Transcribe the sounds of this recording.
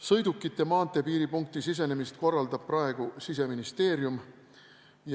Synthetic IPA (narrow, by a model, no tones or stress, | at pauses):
sɤ̞jd̪̥ukˑːit̪ˑːe̞mɑːnt̪e̞piːɾipuŋk̚t̪isis̬e̞nemist̪̚ko̞rːɑld̪ɑb̥̚prɑe̞ɡ̥usise̞minist̪e̞ːɾjum | j